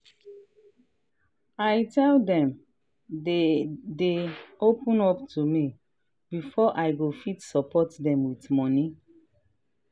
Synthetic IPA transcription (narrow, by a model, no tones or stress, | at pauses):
ajtɛldɛ̃m | deopũnɔptʰumi | b̥ifɔʔajɡofitsɔpʰɔtdɛ̃mwitmɔni